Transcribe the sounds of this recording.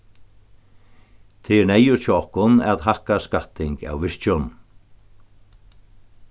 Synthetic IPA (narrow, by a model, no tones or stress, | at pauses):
t̪ʰɪɾnɛjʊɾ̥t͡ʃʰɪɔhkʊna̰ðɦahkaskat̪ɪŋka̰wvɪʂt͡ʃʊn